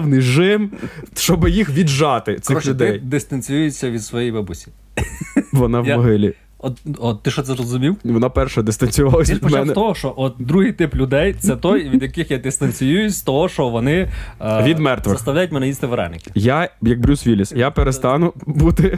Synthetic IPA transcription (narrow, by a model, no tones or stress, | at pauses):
wnɪʒɪmʃt͡ʃɔbɪjixʋʲid̪ʒɑt̪ɪt̪ɪɔxlʲuʊd̪ɛjd̪ɪst̪ɐnʲt͡sʲijujet͡sʲːɐʋʲid̪sʋɔjɛjbɐbusʲi̥ | ʋɔnɑʋmɔɦɪlʲi | ɔt̪ɔt̪tːɪʃɔt̪sɛzrɔzʊmʲiwʋɔnɑpɛrʃɛd̪ɪst̪ɐnʲt͡sʲʊjʊʋɑlˠɐsʲip̪dpɔmɛnɛt̪ɔɦɔʃɔʔɔt̪̚d̪ɾuɦɪjt̪ɪplʲʊd̪ɛjt̪sɛt̪ɔjʋʲid̪jɐkɪxjad̪ɪst̪ɐnʲt͡sʲijujʊsʲt̪ɔɦɔʃɔʋɔnɪʋʲid̪mɛrt̪ʋɪɐst̪ɐʋwlʲajʊtʲmɛnɛjist̪ɪʋeɾɛ̰nɪkʲɪ̥jajɐk̚bɾʲusʋʲilʲisjapeɾest̪ɑnʊbut̪ɪ